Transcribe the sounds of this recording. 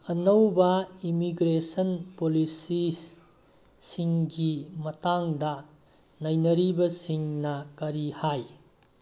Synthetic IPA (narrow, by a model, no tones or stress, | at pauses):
ɐnɐwbɐimiɡɾesɐnpolisi | siŋɡimɐtaŋdɐ | najnɐɾibɐsiŋnɐkɐɾihaj